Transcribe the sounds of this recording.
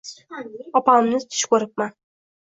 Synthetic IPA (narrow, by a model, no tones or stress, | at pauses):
ɒpaɪmnɪt̪ʰɪ̥ʃkʰɵɾɪp̚ma